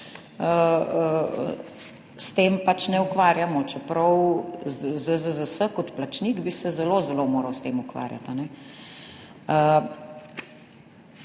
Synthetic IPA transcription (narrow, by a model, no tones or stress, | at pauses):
ə | st̪eːmpat͡ʃnɛukʋaːɾjamɔt͡ʃɛpɾɐwzzəzəzəsəkɔt̪plat͡ʃniɡbisɛzɛlozɛlomoːɾɐwst̪eːmukʋa̰ːɾja̰t̪anɛ | ə